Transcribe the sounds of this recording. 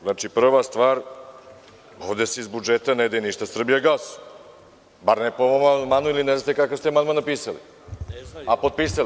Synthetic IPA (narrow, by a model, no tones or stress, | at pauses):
znat͡ʂipr̩ʋast̪ʋaːɾ | oʋd̪e̞seizbud͡ʒet̪aned̪ajeniʃt̪asr̩bijaɡlaso | baɾnepomamamanuilinezat̪ekakoast̪emanmanapiːsalḭ | apod̪̚piːsali